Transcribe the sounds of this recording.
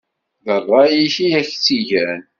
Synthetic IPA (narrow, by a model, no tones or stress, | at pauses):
ðərˤːɑjiçiæçt͡sːiʝæn